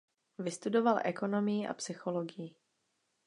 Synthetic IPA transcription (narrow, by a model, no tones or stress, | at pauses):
vɪst̪udo̞valʔɛko̞no̞mɪjiʔa̰psɪxo̞loɡɪji